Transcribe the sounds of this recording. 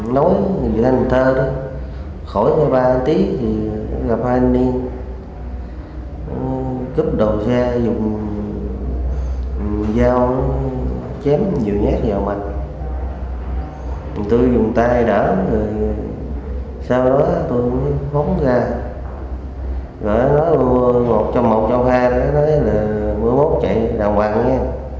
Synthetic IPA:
nɔ˨˦jḭ˧˨t̪ʰa˧jŋt̪ʰəː˧ɗɔ˨˦ | xo˧˩jɲɔ˧ɓaː˧t̪i˦ət̪ʰi˨˩˨ɣa˨˩p̚haː˧jnli˧ən | kɨ˦˥p̚ɗə˨˩wŋ͡msɛ˧zʊ˨˩ŋ͡m | zaː˧w | t͡ɕɛ˨˦mɲi˨˩əwɲaː˦˥k̚zaː˨˩wma˨˩t̚ | t̪u˧jzʊ˨˩ŋ͡mt̪aː˧jɗaː˧˩t̪ə˨˩j | saː˧wɗɔ˨˦˨t̪u˧jmə˨˦jho˨˦nzaː˧ | ɣɔ̰˧˨ʔa˨˦nɔ˨˦jmo˨˩t̚t͡ɕɔ˧mːo˨˩t̚t͡ɕɔ˧whaː˧ka˨˧˦nɔ˨˦jlaː˨˩mɨ˧əjmo˦˥t̚t͡ɕə̰˧˨jɗa̰ː˨˩ŋwaː˨˩ŋɲɛ˧

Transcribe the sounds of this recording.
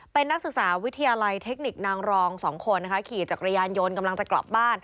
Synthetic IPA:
pe˧nːa˦˥k̚sɯ˨˩k̚saː˩˦wi˦˥t̪ʰːa˧jaː˧la˧jt̪ʰe˦˥k̚ni˨˩k̚naː˧ŋɾɔː˧ŋsɔː˩˦ŋkʰo˧nːa˦˥kʰkʰiː˨˩t͡ɕaː˨˩k̚ɾa˧jaː˧njo˧nka˧mla˧ŋt͡ɕa˨˩kla̰˨˩p̚baː˥˩n

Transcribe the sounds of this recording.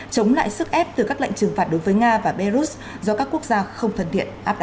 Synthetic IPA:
t͡ɕə˨˦wŋ͡mla̰ː˧˨jsɨ˦˥k̚ʔɛ˦˥p̚t̪ɨ˨˩kaː˦˥k̚lḛ˧˨ŋt͡ɕɨ˨˩ŋfa˨˩t̚ɗo˨˦jvəː˨˦jŋaː˧vaː˨˩ɓɛ˧zu˦˥t̚ | zɔ˧kaː˦˥kːu˦˥ək̚zaː˧xə˧wŋ͡mt̪ʰə˨˩nt̪ʰḭ˧˨ənʔaː˦˥p̚ɗ

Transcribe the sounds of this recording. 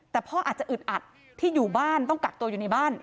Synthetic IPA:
t̪ɛː˨˩pʰɔː˥˩ʔaː˨˩t͡ɕa˨˩ʔɯ˨˩t̪̚ʔa˨˩t̪ʰː | iː˥˩juː˨˩baː˥˩nt̪ɔ˥˩ŋka˨˩t̚t̪u˧əjuː˨˩na˧˥jbaː˥˩n

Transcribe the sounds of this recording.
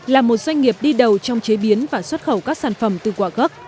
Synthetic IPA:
laː˨˩mo˨˩t̚zwa˧jŋ̟ŋi˨˩əp̚ɗi˧ɗə˨˩wt͡ɕɔ˧wŋ͡mt͡ɕe˨˦ɓi˨˦ənvaː˨˩swə˦˥t̚xə˧˩wkaː˦˥k̚saː˧˩nfə˧˩mt̪ɨ˨˩kwaː˧˩ɣə˦˥k̚

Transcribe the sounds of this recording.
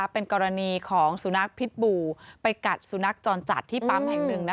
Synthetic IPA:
pe˧nkɔː˧ɾa˧niː˧kʰɔː˩˦ŋsu˨˩˦na˦˥k̚pʰi˦˥t̪̚buː˧pa˧jka˨˩t̪̚su˨˩˦na˦˥k̚t͡ɕɔː˧nt͡ɕa̰˨˩t̪ʰːiː˥˩paː˧mhɛ˨˩ŋnɯ˨˩ŋna˦˥

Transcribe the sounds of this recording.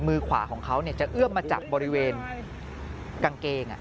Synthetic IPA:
mɯː˧kʰwa̰ː˩˦kʰɔː˩˦ŋkʰa˦˥wni˥˩ɐt͡ɕa˨˩ʔɯ˥˩əmːaː˧t͡ɕa̰˨˩k̚bɔː˧ɾi˦˥weː˧n | ka˧ŋkeː˧ŋʔa̰˨˩ʔ

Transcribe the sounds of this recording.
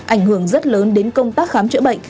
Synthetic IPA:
ʔʔa˧˩jŋ̟hɨ˧˩əŋzə˦˥t̚ləː˨˦nɗe˨˦nkə˧wŋ͡mt̪aː˦˥k̚xaː˨˦mt͡ɕɨ̰˧˥ɓə̰˧˨jŋ̟

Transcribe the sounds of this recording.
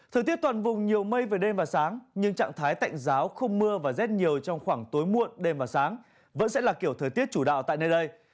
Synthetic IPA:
t̪ʰəː˨˩jt̪i˦˥t̚t̪wa˨˩nvʊ˨˩ŋ͡mɲi˨˩əwmə˧jveː˨˩ɗe˧mvaː˨˩saː˨˦ŋɲɨ˧ŋt͡ɕa̰ː˧˨ŋt̪ʰaː˨˦jt̪a̰˧˨jŋ̟zaː˨˦wxə˧wŋ͡mmɨ˧əvaː˨˩zɛ˦˥t̚ɲi˨˩əwt͡ɕɔ˧wŋ͡mxwaː˧˩ŋt̪o˨˦jmu˧˨ənɗe˧mvaː˨˩saː˨˦ŋ | və̰˧˥nsɛ̰˧˥laː˨˩ki˧˩ət̪ʰəː˨˩jt̪i˦˥ət̚t͡ɕu˧˩ɗa̰ː˧˨wt̪a̰ː˧˨jnəː˧jɗə˧j

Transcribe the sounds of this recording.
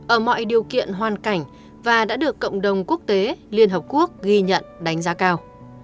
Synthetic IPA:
ʔəː˧˩mɔ̰˧˨jɗi˨˩əwkḭ˧˨ənɦwaː˨˩nka˧˩jŋ̟ | vaː˨˩ɗa̰ː˧˥ɗɨ˨˩əkːə̰˧˨wŋ͡mɗə˨˩wŋ͡mku˦˥ək̚t̪e˨˦li˧ənɦəː˨˩p̚ku˦˥ək̚ɣi˧ɲə̰˧˨nɗa˨˦jŋ̟zaː˨˦kaː˧w

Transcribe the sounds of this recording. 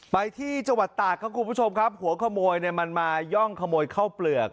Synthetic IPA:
pa˧jt̪ʰiː˥˩t͡ɕa˧ŋwa˨˩t̪ːaː˨˩kʰa˦˥˩kʰu˧npu˦˥t͡ɕʰo˧mkʰa˦˥p̚hu˨˩˦kʰa˧moː˧jni˥˩əma˧nmaː˧jɔ˥˩ŋkʰa˧moː˧jkʰa˥˩wplɯ˨˩ək̚

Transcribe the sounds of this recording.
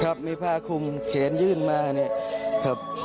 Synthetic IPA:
kʰa˦˥˩p̚miː˧˩pʰaː˧˩kʰu˧mkʰeː˩˦njɯː˥˩nmaː˧ha˧˩ni˦˥˩ɐkʰa˦˩p̚

